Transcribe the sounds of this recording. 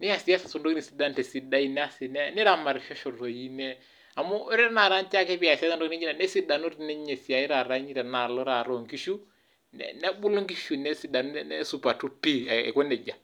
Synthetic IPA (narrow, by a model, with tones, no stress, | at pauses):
nɪ˦a˨si˦a˦sa˨so˨ndo˦ki˦ni˨si˨˦da˦ntɛ˨si˦da˦i˦nɛ˦a˦sɪ˨nɛ˦nɪ˦ɾa˨ma˨ɾfɔ˦ʃɔ˨ro˨i˦nɛ˦ | a˨mɔ˦ɾɛ˦ɾna˨ɾa˦nt͡ʃa˦kɛ˦pi˦a˨si˦a˦sa˦ndo˦ki˦d͡ʒi˦na˨nɛ˦si˦da˨nu˦ɾi˨nɛ˦ɲɛ˨si˨a˨i˦ɾa˨ɾa˦ɲi˦ɾɛ˨na˨lɔ˦ɾa˨ɾɔ˨ŋki˦ʃu˦ | nɛ̰˨nɛ˦ɓu˦lo˦ŋki˦ʃu˨nɛ˦si˦da˨n˦nɛ˦su˨pa˨tu˦pi˦˨ɛ̰˨kɔ˦nɛ˨d͡ʒa˨